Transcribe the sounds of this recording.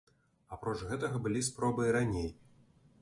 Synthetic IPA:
apɾɔt͡ʂɣɛt̪ɐɣɐbɨlʲispɾɔbɨjɾanʲej

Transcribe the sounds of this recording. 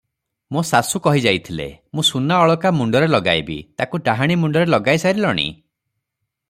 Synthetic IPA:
mosasukɔɦid͡ʒajt̪ʰilḛmũsunaɔɭɔkamuɳɖɔɾelɔɡa̰jbḭt̪akuʈaɦaɽ̃imuɳɖɔɾelɔɡajsajɾilɔɽ̃ḭ

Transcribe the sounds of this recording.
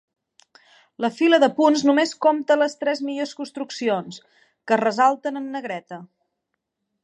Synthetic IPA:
ləfiləðəpunznumeskomt̪ələst̪ɾɛzmiʎoskunst̪ɾuksions | kərəzalˠt̪ənənːəɣɾɛt̪ə

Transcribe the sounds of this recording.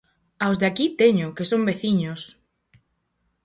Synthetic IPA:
awzðakit̪eɲʊkesombeθiɲʊs

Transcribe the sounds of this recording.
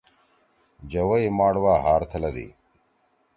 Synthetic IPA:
d͡ʑɐwɐimaːɽwaːɦaːɾt̪ʰɐlɐd̪ḭː

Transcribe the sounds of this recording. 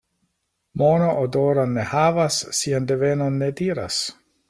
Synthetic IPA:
monoʔodoɾanːehavasːiandevenonːediːɾa̰s

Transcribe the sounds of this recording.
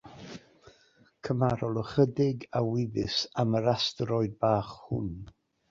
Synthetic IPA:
kʰəmaɾɔlˠəχədɪɡawɪvɨsaməɾastrɔɨdbaːχhʊ̰n

